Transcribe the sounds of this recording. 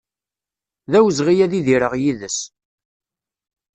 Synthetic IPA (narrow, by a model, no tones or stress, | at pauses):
ðæwəzʁijæðiðiɾəʁjiðəs